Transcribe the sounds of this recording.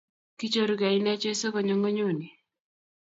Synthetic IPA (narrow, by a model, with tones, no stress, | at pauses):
ki˦t͡ʃo˦˨ɾu˨ɡa˨i˦na˦t͡ʃɔ˦sɔ˦kɔ˨ɲo˦ŋo˦ɲo˦˨ni˨